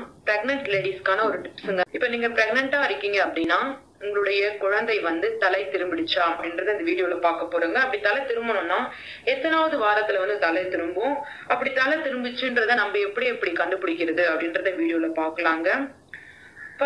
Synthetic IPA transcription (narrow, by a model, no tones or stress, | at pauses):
pɾɛɡnɛɳʈleːɽiskaːnɐɔɾɯʈɪpsɯŋɡɐɪpːɐniːŋɡɐpɾɛɡnɛɳʈaːɪɾɪkːiːŋɡɐːpːɐɽɪnːaː | ʊŋɡɐɭɯɽɐjɐkʊɻɐnd̪ɐɪʋɐnd̪ɯt̪ɐlɐɪt̪ɪɾɯmbɪɽɪt͡ʃːaːɐɐpɽɪnɾɐðɯɪnd̪ɐʋiːɽɪjoːlɐpaːɾkɐpːoːɾuːŋɡɐːpːɐɽit̪ɐlɐt̪ɪɾɯmbɐnʊ̃nːaː | ɛt̪ːɐnaːʋɐðɯʋaːɾɐt̪ːɪlɐʋɐnd̪ɯt̪ɐlɐɪt̪ɪɾɯmbʊ̃ | ɐpːɐɽit̪ɐlɐt̪ɪɾɯmbɪt͡ʃːɯndɾɐðãnɐmbɐɛpːɐɽiɛpːɐɽikɐɳɖɯpɪɽɪkːɪɾɐðɯɐpːɐɽɪnɾɐðɯ̃ʋiːɽɪjoːlɐpaːɾkɐlaːŋɡɐ | pːɐ